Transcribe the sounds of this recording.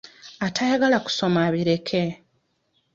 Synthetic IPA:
atʰajaɡalaku̥so̞maβiɾe̞kʰe̞

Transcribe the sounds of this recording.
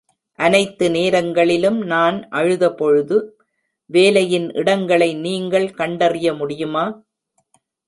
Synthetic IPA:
ʔɐnɐɪt̪ːɯneːɾɐŋɡɐɭɪlɯmnaːnʔɐɻɯðɐpɔɻɯðɯ | ʋeːlɐjɪnʔɪ̰ɽɐŋɡɐɭɐɪniːŋɡɐɭkɐɳɖɐrɪjɐmʊɽɪjɯmaː

